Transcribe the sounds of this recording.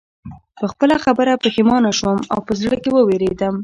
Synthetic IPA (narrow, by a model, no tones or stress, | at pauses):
pəxpəlaxabəɾapəxɪmɑnaʃwəmawpəzɽəkewəweɾed̪əm